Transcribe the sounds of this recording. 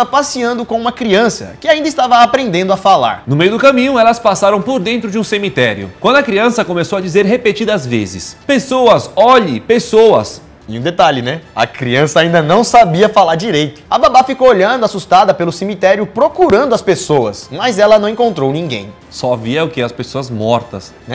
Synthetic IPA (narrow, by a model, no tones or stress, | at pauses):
pasiɐ̃nd̪ʊkõũmɐkɾiɐ̃sɐ̰kɪaĩnd̪ɐist̪avɐːpɾẽnd̪ẽnd̪ʊafala̰ɾnʊmejʊd̪ʊkɐmĩɲʊɛlɐspasaɾɐ̃w̃poɾd̪ẽnt̪ɾʊd͡ʒɪũsemit̪ɛɾjʊ̰kwɐ̃nd̪ʊɐkɾiɐ̃sɐkomesowɐd͡ʒizeɾɦepet͡ʃid̪ɐzvḛzɪ̰spesowɐzɔʎɪpesowɐ̰s | iũd̪et̪aʎɪnɛɐ̰kɾiɐ̃sɐaːĩnd̪ɐnɐ̃w̃sabiɐfalaɾd͡ʒiɾejt̪ʊ̥ɐbabafikowoʎɐ̃nd̪ʊasust̪ad̪ɐpelʊsemit̪ɛɾjʊpɾokuɾɐ̃nd̪ʊɐspesowɐsmɐzɛlɐnɐ̃w̃ẽkõnt̪ɾownĩŋɡḛ̃j̃ | sɔviɐʊkɪɐspesoɐzmɔɾt̪ɐsnɛ